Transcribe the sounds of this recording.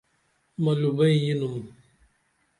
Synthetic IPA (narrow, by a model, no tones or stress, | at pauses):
malubajinum